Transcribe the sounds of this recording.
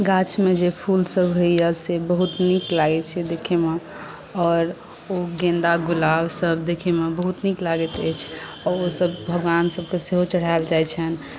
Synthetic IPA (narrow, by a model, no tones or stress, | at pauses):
ɡat͡ʃmed͡ʒepʰulsəbɦoiəsebəɦut̪niklaɡɛt̪t͡ʃʰɛd̪ekʰeme | ɔːɾ | oɡẽnd̪aɡulabsəbd̪ekʰemebəɦut̪niklaɡɛt̪ɛt͡ʃʰɔɾosəbbʱəɡʋansəb̚keseɦot͡ʃəɽ̤aeld͡ʒajt͡ʃʰən